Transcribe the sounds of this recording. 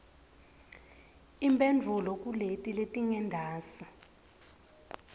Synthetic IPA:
imbʱʼend͡vʱulɔkʼuletʼiletʼiŋɛndʱaːsi̥

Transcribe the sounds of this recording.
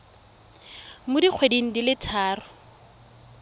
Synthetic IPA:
mʊdiq͡χʰwediŋ̩dilɪtʰaːrʊ

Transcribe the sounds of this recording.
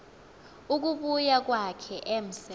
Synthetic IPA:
uk̬uɓujak̬wakʰɛʔem̩sɛ

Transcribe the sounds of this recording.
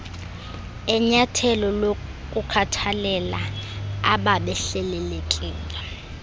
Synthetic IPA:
ɛɲatʰɛlɔlokʼukʰatʰalɛlaaɓaɓɛɬɛlɛlekʼiːŋɡʱʼa

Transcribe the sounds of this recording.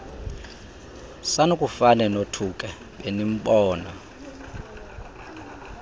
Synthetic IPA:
sanukʼufanɛnotʰukʼɛ | ɓenim̩ɓɔːnɔ

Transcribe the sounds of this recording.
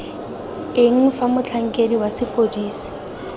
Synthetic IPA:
ɪŋ̩famʊt͡ɬʰaŋ̩kʼediwasɪpʼodiːsi̥

